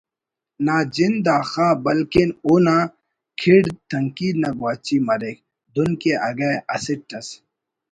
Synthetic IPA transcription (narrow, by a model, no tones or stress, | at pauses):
naːd͡ʑind̪aːxaːbɐlkinuna | kʰiɽt̪ʰɐŋkiːd̪nɐɡwaːt͡ɕimɐɾek̚ | d̪unkeɐɡaɐsiʈ̚ʈɐs